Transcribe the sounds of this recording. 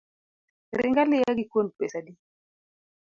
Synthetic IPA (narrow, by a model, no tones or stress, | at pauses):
ɾɪ̰ŋɡalɪjaɡikonpesadi